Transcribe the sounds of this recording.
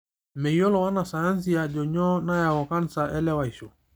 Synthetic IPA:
mɛ˨jɔ˦lɔ˨wa˦na˨sa˨ja˦ns̬i˦˨a˨d͡ʒɔ˨ɲɔ˦na˦ja˨ɣɔ˨ka˦nsa˨ʔɛ˦lɛ˦wa˨i˨so˨

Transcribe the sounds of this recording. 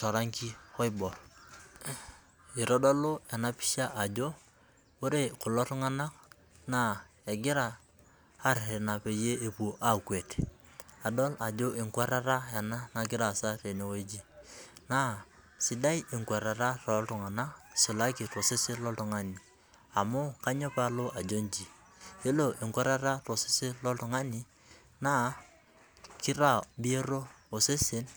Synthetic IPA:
tɔ˨ɾa˦ŋki˦hɔ˦i˦bɔ˨r | i˨ɾɔ˦dɔ˦lo˦ja˨na˦pi̥˦ʃa˦ʔa˨d͡ʒo˦ | o˦ɾe˦kʊ˨lɔ˦tʊ˦ŋa˦na˦k̚ | na˦e˨ɡɪ˦ɾaː˦˨˦ | ɾe˨na˨pe˨je˦e˨pu˨ʔa˦kwe˨t | a˨dɔ˦la˨d͡ʒo˦ʔɪ˨ŋkwa˦ɾa˦ɾa˦ja˨na˦na˨ɡ̬ɪ˦ɾa˨sa˦ɾe˨ne˨wo˦d͡ʒi˦na˦ | sɪ˨da˦jɪ˨ŋkwa˨ɾa˨ɾa˦ɾɔ˨˦ltʊ˨ŋa˨na˦si˨la˦ki˨ɾo˨se˦sɪ˦lɔ˦tu˨ŋa˦ni˨ | a˨mʊ˦ka˦ɲo˦pa˦lo˦a˨d͡ʒo˦nd͡ʒi˨ | e˦lo˦˨ʔɪ˨ŋkwa˦ɾa˦ɾa˦ɾo˨si̥˦se˦lɔ˦tu˨ŋa˦ni˦ | na˦ | kɪ˦ɾa˨bi˦e˦ɾo˦o˨se˦sɪ˦n

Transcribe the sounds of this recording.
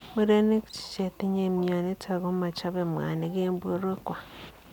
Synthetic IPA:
mu˦ɾe˦ne˦kt͡ʃi̥˨t͡ʃe˨te˦ɲe˨mja˨ne˦ta˨ɣo˦ma˨t͡ʃa˦βe˨mwa̰˨ne˦ɡeː˦mbo˦ɾwe˦kwa˨

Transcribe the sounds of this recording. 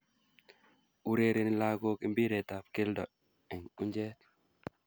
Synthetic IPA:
u˨ɾe˨ɾe˨ni˨la˦ɡo˦ki˦mbi˦ɾe˨t̪a˨p̚ke˦ldɔ̰˨ | ɛ˨ŋu˦ɲd͡ʒɛ˦t̪

